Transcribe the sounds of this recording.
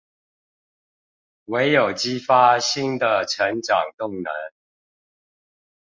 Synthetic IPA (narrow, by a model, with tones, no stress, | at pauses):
we˧˦˥ɪjo˨˩ʊt͡ɕi˦fa˦ɕi˥nd̪ə˨ʈ͡ʂʰə˧˦ŋʈ͡ʂɑ˨˩ŋt̪ʊ˥˨ŋnə˨˦n